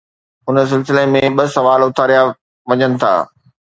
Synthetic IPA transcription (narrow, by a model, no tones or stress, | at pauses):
ʊnə̆s̬ɪlsɪlemẽɓɐsɐʋaːlʊt̪ʰaːɾija | ʋɐɲənɪ̆t̪ʰa̰ː